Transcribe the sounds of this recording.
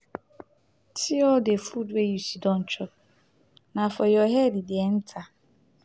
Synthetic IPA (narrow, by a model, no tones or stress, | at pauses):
tʰiɔdefudwejusidɔn̩t͡ʃɔ | nafɔjɔɦedidɪen̩tʰa